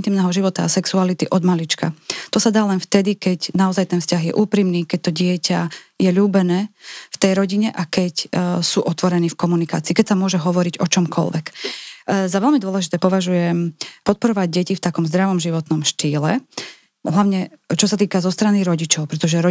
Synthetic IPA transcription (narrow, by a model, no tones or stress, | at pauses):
nt̪iːmnɛːɦɔʒiʋɔt̪aːsɛksualit̪iʔɔd̪malit͡ʃka̰t̪ɔsad̪aːlɛnft̪ɛd̪ikɛcnaɔzajt̪ɛnfscaɣjɛʔuːpɾiːmniːkɛc̚t̪ɔɟɪɛcajɛʎuːbɛnɛːft̪ɛjɾɔɟiɲɛʔakɛcsuːʔɔt̪ʋɔɾɛniːfkɔmunika̰ːt͡siːkɛcsamʊɔʒɛɦɔʋɔɾiɟɔt͡ʃɔmkʰɔ̰lʋɛ̰k | zaʋɛlmid̪ʊɔlɛʒit̪ɛːpɔʋaʒujɛmpɔt̪̚pɔɾɔʋaɟ̚ɟɛcift̪akɔmzd̪ɾaʋɔmʒiʋɔt̪nɔmʃt̪iːlɛ | ɦlaʊɲɛt͡ʃɔsat̪iːkazɔst̪ɾaniɾɔɟit͡ʃɔʊpɾɛt̪ɔʒɛɾɔ